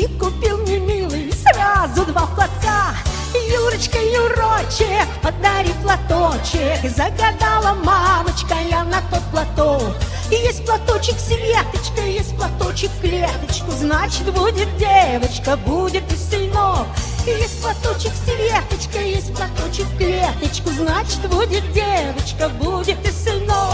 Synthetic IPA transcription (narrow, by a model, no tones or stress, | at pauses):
ɪkʊpʲilˠnʲɪmʲilˠɨjsrazʊd̪vaplˠɐt̪ka | juɾət͡ɕkəjʊrot͡ɕɪkpəd̪ɐɾʲiplˠɐt̪ot͡ɕɪkzəɡad̪alˠəmamət͡ɕkɐjanɐt̪ot̪̚plˠɐt̪ok | ɪjesʲt̚ʲplˠat̪ot͡ɕɪksʲɪvʲet̪ət͡ɕkəjesʲt̚ʲplˠat̪ot͡ɕɪkklʲet̪ət͡ɕkʊznat͡ɕɪt̪budʲɪt̪̚dʲevət͡ɕkəbudʲɪt̪ɨsʲɪlʲnoɪjesʲt̚ʲplˠɐt̪ot͡ɕɪksʲɪvʲet̪ət͡ɕkəjesʲt̚ʲplˠɐt̪ot͡ɕɪkklʲet̪ət͡ɕkʊznat͡ɕɪ̥t̪budʲɪt̪̚dʲevət͡ɕkəbudʲɪt̪ɨsʲɪlʲno